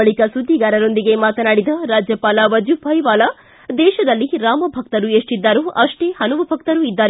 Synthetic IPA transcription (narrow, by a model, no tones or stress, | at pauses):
ɐɭikɐsud̪ʱːiɡaːɾɐɾo̞nd̪iɡemaːt̪ɐnaːɽid̪ɐɾaːd͡ʒjɐpaːlɐʋɐd͡ʒubʱɐjʋaːlɐ | d̪ɛːʃɐd̪ɐlːiɾaːmɐbʱɐk̚t̪ɐɾueːʂʈid̪ːaːɾuʔɐʂʈeːhɐnuʋɐbʱɐk̚t̪ɐɾuid̪ːaːɾe